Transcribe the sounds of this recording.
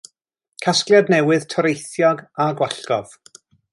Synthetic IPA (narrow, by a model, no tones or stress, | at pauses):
kʰasklˠjadnɛwɨð̥tʰɔɾejθjɔɡaɡwaɬɡɔv̥